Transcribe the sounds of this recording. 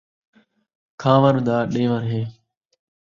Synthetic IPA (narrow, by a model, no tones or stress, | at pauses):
kʰãːʋəɾd̪aːɗẽːʋəɾɦeː